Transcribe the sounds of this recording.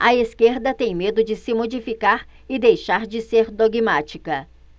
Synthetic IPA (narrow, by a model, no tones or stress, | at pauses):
ɐeskeɾd̪ɐt̪ẽj̃med̪ʊd͡ʒɪsɪmod͡ʒifikaɾ | ɪd̪ejʃaɾd͡ʒɪseɾd̪oɡimat͡ʃikɐ